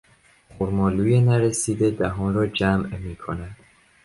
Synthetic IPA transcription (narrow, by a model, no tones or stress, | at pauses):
χoɾmɒːluːjenæɾesiːd̪ed̪æɦɒːnrɒːd͡ʒæmmiːkʰonæd̪̥